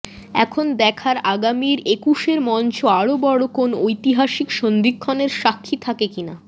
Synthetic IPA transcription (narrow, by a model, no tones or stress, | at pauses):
ɛ̰kʰond̪ɛkʰaɾaɡamiɾekuʃeɾmɔnt͡ɕʰoaɽobɔɽokonojt̪iɦaʃikʃond̪ikʰːoneɾʃakʰːit̪ʰakekina